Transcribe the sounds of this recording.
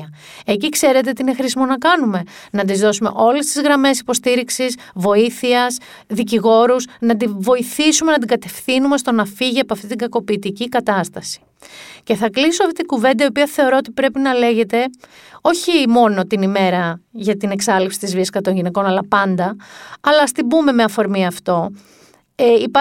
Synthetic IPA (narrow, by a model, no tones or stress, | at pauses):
ɐ | ecikse̞ɾe̞t̪e̞t̪iine̞xɾisimonɐkɐnume̞nɐd̪izðo̞sume̞̰ʔo̞le̞st̪izɣɾɐme̞si̥po̞st̪iɾiksis | vo̞iθiɐs | ðiciɣo̞ɾusnɐd̪ivo̞iθisume̞nɐd̪iŋɡɐt̪e̞fθinume̞st̪o̞nɐfiʝiɐpoɐft̪it̪iŋɡɐko̞piːt̪icikɐt̪ɐst̪ɐsi̥ | ce̞θɐklisoɐft̪it̪iɡuve̞nd̪ɐio̞piɐθe̞o̞ɾo̞ot̪ipɾe̞pinɐle̞ʝe̞t̪e̞ | o̞çimo̞no̞t̪inime̞ɾɐʝɐt̪ineksɐlipsi̥t̪izviɐskɐt̪o̞nʝine̞ko̞nɐlɐpɐnd̪ɐɐlɐst̪ibume̞meɐfo̞ɾmiɐft̪o̞ | ip